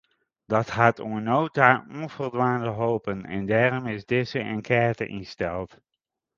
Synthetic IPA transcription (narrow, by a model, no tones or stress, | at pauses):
d̥ɑthatunowtaɔnv̥ərdʋaːndəɦoːpənɛ̰ndaːrɔmɪzdɪsəʔə̰nkʰɛːɹtə̰ʔinstɛlˠt